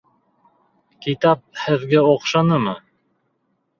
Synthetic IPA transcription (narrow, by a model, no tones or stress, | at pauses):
kit̪ɑp̚hɘ̆ðɡæoqʃɑnɤmɤ